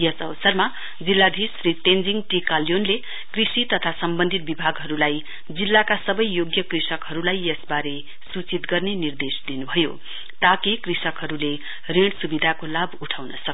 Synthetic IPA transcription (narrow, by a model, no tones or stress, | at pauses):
jʌsʌwʌsʌrma | d͡zilːad̪ʱisrit̪end͡ziŋʈikalijonle | krisit̪ʌt̪ʰasʌmbʌnd̪ʱit̪̚bibʱaɡɦʌɾulaj | d͡zilːakasʌbʌjːoɡjʌkrisʌkɦʌɾulajjʌsbaɾe | sut͡sit̪ɡʌrnenird̪esd̪inubʱʌjo̰ | t̪akikrisʌkɦʌɾule | reɽ̃subid̪ʱakolabuʈʰawnʌsʌk